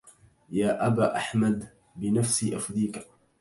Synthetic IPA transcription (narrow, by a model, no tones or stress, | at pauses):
jaːʔabaːʔaħmad̪ | bɪnafsiːʔafd̪iːk